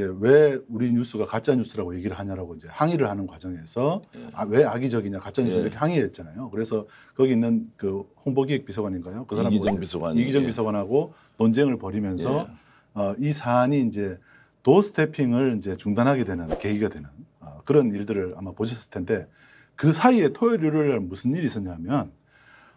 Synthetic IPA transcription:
d͡ʑe̞we̞uɾiɲus͈ɯɡakat͡ɕ͈aɲus͈ɯɾaɡoje̞ɡiɾɯɭɦaɲaɾaɡoind͡ʑe̞haŋiɾɯɭhanɯnkwad͡ʑʌŋe̞sʰʌawe̞aɡid͡ʑʌɡiɲakat͡ɕ͈aɲus͈iɾʌkʰeɦaŋieːt̚t͡ɕ͈anajokɯɾe̞sʰʌ | kʌɡiinːɯnkɯhoŋbʌɡiek̚pisʰʌɡwaɲinɡajokɯsʰaɾamiɡid͡ʑʌŋpisʰʌɡwanɦaɡo | nond͡ʑeŋɯɭpʌɾimjʌns̬ʰʌː | isʰaɲiːnd͡ʑe̞ | tosʰɯ̥tʰepʰiŋɯɭind͡ʑe̞t͡ɕuŋdanɦaɡe̞dwe̞nɯnke̞ɡiɡadwe̞nɯnʌkɯɾʌniɭdɯɾɯɭa̰mapoɕʰis̬͈ʰɯɭtʰe̞nde̞ | kɯsʰaie̞tʰojʌɾuɾɯɭaɭmusʰɯniɾiːs͈ʌɲamjʌn

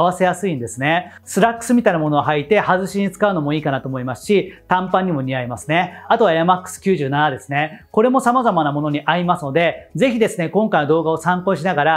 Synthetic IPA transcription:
βase̞jasɨĩnd̪e̞sɨne̞ | sɨɾakːɯ̥sɨmʲit̪ainamo̞noɡaɦait̪e̞hazɨɕiɲ̟it͡sɨ̥kaɯ̟no̞mo̞iːkanat̪o̞ːmoimasɨ̥ɕit̪ãmpãɲ̟ːimo̞ɲ̟iaimasɨne̞at̪o̞βajamakːɯ̥sɨ̥kʲɨːʑɨːnanad̪e̞sɨne̞ko̞ɾe̞mo̞samazamanamo̞no̞ɲ̟iʔaɾʲimasɨno̞d̪e̞ze̞çid̪e̞sɨne̞kõ̞ŋkajnad̪o̞ːɡao̞sãŋko̞ːɕinaɡaɾa

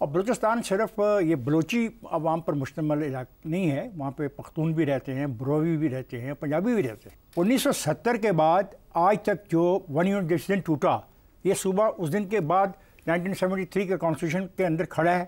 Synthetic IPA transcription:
ɔːɾbɐloːt͡ʃɪst̪aːnsɪɾəfjebɐloːt͡ʃiɐʋaːmpɐɾmʊʃt̪əməlɪlaːknɐɦĩɦɛʋɐɦãːpepɐxt̪uːnbʱiɾɛɦt̪eɦɛ̃bɾoːʋibʱiɾɛɦt̪eɦɛ̃pɐ̃ɲd͡ʒaːbibʱiɾɛɦt̪eɦɛ̃ | ʊ̃nːiːsːɔsɐt̪ːəɾkebaːd̪aːd͡ʒt̪ɐk̚d͡ʒoːʋɐnjuɖɪsd̪ẽɳʈːuːʈa | jesuːbaʔʊsd̪ɪnkebaːd̪ | nãːɪɳʈiːnsɛʋə̃ɳʈit̪ʰɾiːkakɔ̃ːnsʈuːʃ̬ənkeɐ̃nd̪əɾkʰɐɽaɦɛ

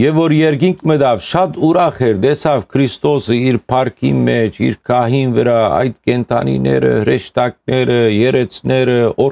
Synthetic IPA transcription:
jɛvɔɾjɛɾɡiŋkʰməd̪ɑvʃɑt̪uɾɑχɛɾd̪ɛsɑvkʰɾist̪ɔsəiɾpʰɑɾkʰḭmɛt͡ʃʰḭɾkʰɑɦinvəɾɑɑ̰jd̪kɛnt̪ʰɑ̰nḭnɛ̰ɾə̰həɾɛʃt̪ɑk̚nɛɾəjɛɾɛt͡sʰnɛɾəɔ

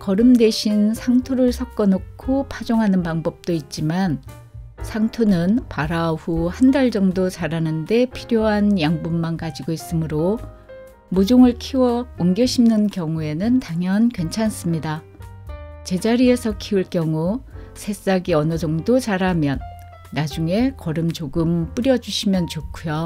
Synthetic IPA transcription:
kʌɾɯmde̞ɕʰinsʰaŋtʰuɾɯɭsʰʌk̚k͈ʌnokʰopʰad͡ʑoŋɦanɯnpaŋbʌp̚t͈oit̚t͡ɕ͈iman | sʰaŋtʰunɯnpaɾaɸuhandaɭd͡ʑʌŋdot͡ɕaɾanɯnde̞pʰiɾjoɦanjaŋbumːankad͡ʑiɡois͈ɯmɯɾo | mud͡ʑoŋɯɭkʰiwʌuŋɡjʌɕʰimnɯnkjʌŋue̞nɯntaŋjʌnkwe̞nt͡ɕʰans͈ɯmɲida | t͡ɕe̞d͡ʑaɾie̞sʰʌkʰiuɭk͈jʌŋusʰe̞s͈aɡiʌnʌd͡ʑʌŋdot͡ɕaɾamjʌnː | ad͡ʑuŋe̞kʌɾɯmt͡ɕoɡɯmp͈ɯɾjʌd͡ʑuɕʰimjʌnt͡ɕokʰujo

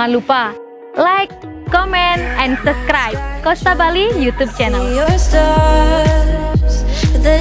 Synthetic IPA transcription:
anlupa | lajkː | ɔmɛnt̪̚ʔɛndsub̚skɾajb̚kɔst̪abalijut̪ub̚t͡ʃɛnəl

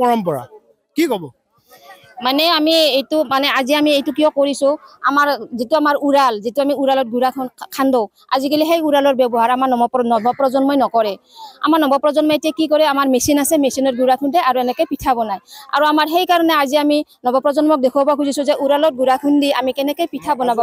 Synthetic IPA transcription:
pɔɹɔmpɔɹa̰ | kikɔbɔ | manɛamiejtumanɛaziamiejtukijɔkoɹisʊa̰maɹzituamaɹuɹalzituamiuɹalɔt̚ɡuɹakʰnkʰandɔw | a̰zikaliɦejuɹalɔɹbɛbɔɦaɹamaɹɔɔpnɔbʱɔpɹɔzɔnmɔjnɔkɔɹɛ | a̰maɹnɔbɔpɹɔzɔnmɔjtiakikɔɹɛamaɹmesinasɛmesinɔt̚ɡuɹakʰundɛaɹuɛnɛkɔjpitʰabɔnaja̰ɹuamaɹɦejkaɹɔnɛaziaminɔbɔpɹɔzɔnmɔk̚dekʰɔbakuzisuzɛʔuɹalɔt̚ɡuɹakʰundia̰mikɛnɛkɔjpitʰabɔnabɔ

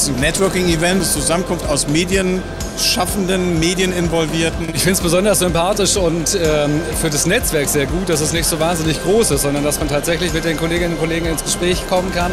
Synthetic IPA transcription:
snnɛtv̥œɐkɪŋivɛntst͡suzamənkʰʊnftaʊsmeːdjən | ʃafn̩dənmeːdjənɪnvɔlviːɐtn̩ɪçfɪntsb̥əzɔndɐsz̥ʏmpʰaːtɪʃʊntɛːfyːɐdasnɛt͡sv̥ɛɐkz̥eːɐɡuːt̚d̥as̬ɛsnɪçtz̥oːvaːnzɪnɪçɡ̥ʁoːsɪstzɔndɐndasmantʰaːtz̥ɛçlɪçmɪt̚d̥eːnkoleːɡɪnʊnkʰoleːɡŋnɪnsɡ̥əʃpʁ̥ɛːçkʰɔmənkan

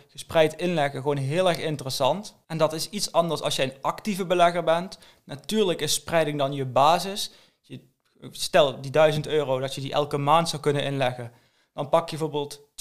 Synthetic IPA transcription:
χəsprɛjtɪnlɛɣəɣəʋownɦɪːlˠɛɹxɪntərəsɑnt | ɛndɑtɪsitsɑndəɹsɑ̰lˠsjəənɑktivəbəlɛɣəɹbɛnt | natyːɹləkɪsprɛjdɪŋdɑnjəbaːzɪs | jə | stɛlˠdidœɥzəntøːrowdɑtjədiʔɛ̰lˠkəmaːntsɑwkɵnənʔɪnlɛɣən | d̥ɑnpɑkjbɛvoːbɪːlˠt

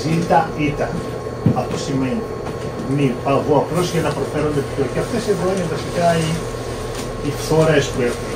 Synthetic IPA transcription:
it̪ɐit̪ɐn | ɐft̪osimeni | mipɐvoɐplo̞zʝɐnɐpɾo̞fe̞ɾo̞nd̪epço̞ceɐft̪esevoɲevɐsikɐi | itso̞ɾɐespuexun

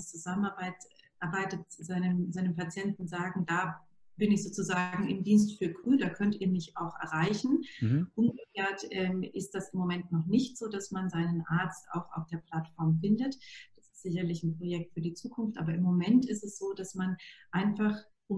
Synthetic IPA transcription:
t͡suzamənaɐbaɪt | ʔɛɐbaɪtətzaɪnəmzaɪnəmpʰat͡sjɛntn̩zaːɡŋ̩daː | b̥ɪnɪçz̥oːt͡suzaːɡŋ̩ʔɪ̰mdiːnstfyːɐkʁ̥yːdaːkʰœntiːɐmɪçaʊxʔɛ̰ɐʁaɪçn̩ʔʊmɡəkʰeːɐtʔɛːmʔɪst̚d̥asɪmːomɛntnɔχnɪçtz̥oːdasmanzaɪnənʔaɐt͡sta̰ʊxa̰ʊfd̥eːɐpʰl̥atfɔɐmfɪndətd̥asɪstz̥ɪçɐlɪçn̩pʁ̥ojɛk̚tfyːɐdiːt͡suːkʰʊnftʔa̰ːbɐɪmːomɛntɪstɛsz̥oːd̥asmanʔaɪnfaχ | ʔʊm

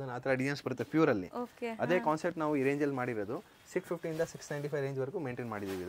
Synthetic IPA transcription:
ɐd̪ɐnːɐːt̪ɐɾɐɖijɐnsbɐɾut̪ːepjuːɾɐlːḭokeɐd̪e̞ːkaːnseɾʈnaːʋuiɾeːɲd͡ʒɐlmaːɽiɾod̪u | sikspʰip̚ʰʈiind̪ɐsiksnɐjɳʈipʰɐjɾeːɲd͡ʒʋɐɾkumeːɳʈeːnmaːɽid̪iːʋid̪

